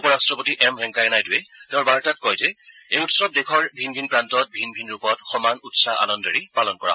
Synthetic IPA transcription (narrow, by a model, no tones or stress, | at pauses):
upɔɹastɹɔpotiʔɛmɦɛŋkajɛnajduɛtɛ̃ʊ̃ɹbaɹtat̚kɔjzɛejutsɔp̚dekʰɔɹbʱinbʱinpɹantɔt̚bʱinbʱinɹupɔtxɔmanutsaʔa̰nɔndɔɹipalɔnkɔɹa̰